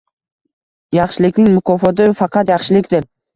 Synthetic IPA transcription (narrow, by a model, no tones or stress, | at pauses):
jɑχʃɪlɪkʲnɪŋmʊkʰɒfɒt̪ɪfɑqʰɑt̪jɑχʃɪlɪkʲd̪ɪɾ